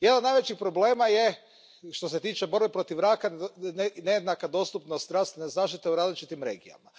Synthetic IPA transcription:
jed̪nod̪najʋet͡ʃixpɾo̞ble̞ːmaje̞ | ʃt̪o̞s̬e̞t̪iːt͡ʃebo̞ɾbepɾo̞t̪iʋɾaːka | nejed̪nakad̪o̞st̪upnost̪ɾaːst̪nezaːʃt̪it̪euɾaːzlit͡ʃit̪imɾe̞ːɡija̰ma

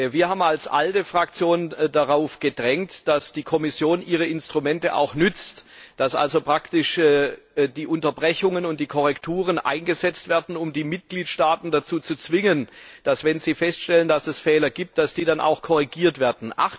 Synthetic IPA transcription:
viːɐhaːbmalsʔa̰ltəfʁ̥ak̚t͡sjoːndaʁaʊfɡ̥ədʁɛŋtd̥asd̥iːkʰɔmɪsjoːnʔiːʁ̞əɪnstʁ̥umɛntəʔa̰ʊxnʏt͡std̥asʔa̰lzopʁ̥aktɪʃ | diːʔʊntɐbʁɛçʊŋənʊnt̚d̥iːkʰɔʁ̞ɛktʰuːʁ̞ənʔa̰ɪnɡəzɛt͡stv̥eːɐdn̩ʊmdiːmɪt̚ɡ̥liːtʃtaːtn̩dat͡suːt͡sut͡sv̥ɪŋənd̥asv̥ɛnziːfɛstʃtɛləndasɛsfɛːlɐɡiːp̚t̚d̥asd̥iːdanʔa̰ʊxkʰɔʁiɡiːɐtv̥eːɐdn̩ʔa̰χ

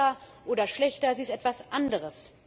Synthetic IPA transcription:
ɐʔoːdɐʃlɛçtɐziːɪstʔɛtv̥asʔandəʁ̞əs

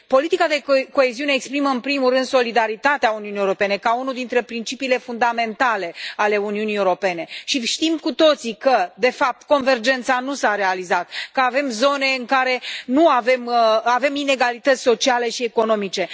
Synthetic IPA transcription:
po̞lit̪ikad̪e̞ko̞e̞ziuneːkspɾiməɨnpɾimuɾɨnd̪so̞lid̪aɾit̪at̪eauniuniewɾo̞pe̞ne̞kaunud̪int̪ɾe̞pɾint͡ʃipiːle̞fund̪ame̞nt̪ale̞ale̞uniuniewɾo̞pe̞ne̞ʃiʃt̪imkut̪o̞t̪sikəd̪e̞fap̚t̪ko̞nve̞rd͡ʒe̞nt̪sanusaɾe̞alizat̪̚kəave̞mzo̞ne̞ɨŋkaɾe̞nuave̞mave̞mine̞ɡalit̪ət̪sʲso̞t͡ʃiale̞ʃieko̞no̞mit͡ʃe̞

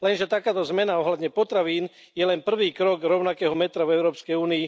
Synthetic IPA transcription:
lɛnʒɛt̪akaːt̪ɔzmɛnaɔɦlad̪ɲɛpɔt̪ɾaʋiːn | jɛlɛnpr̩ʋiːkɾɔɡɾɔʊnakɛːɦɔmɛt̪ɾavɛʊɾɔːpskɛjuːnii

